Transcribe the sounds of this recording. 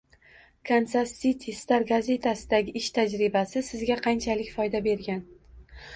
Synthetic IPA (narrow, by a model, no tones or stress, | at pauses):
kʰansasit̪ʲʰist̪aɾɡaze̞t̪ʰasɪd̪aɡʲɪɪʃt̪ʰad͡ʒɾɪbasɪsɪzɡʲaqʰɑnt͡ʃʰalɪkʲfɒjd̪abe̞ɾɡʲan